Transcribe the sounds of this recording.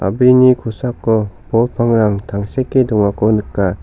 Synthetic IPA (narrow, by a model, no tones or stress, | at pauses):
a̰binikʰusakːɔbɔlpʰaŋɾaŋtʰaŋsekːedɔŋakɔnɯkːa